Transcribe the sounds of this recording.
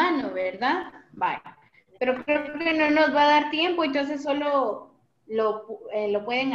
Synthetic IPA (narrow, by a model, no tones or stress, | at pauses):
anoβeɾðaðba̰o | pe̞ɾo̞kɾeokeno̞no̞zβaðaɾt̪je̞mpo̞ent̪ons̬esːo̞lo̞ | lopelo̞pwe̞ðeŋ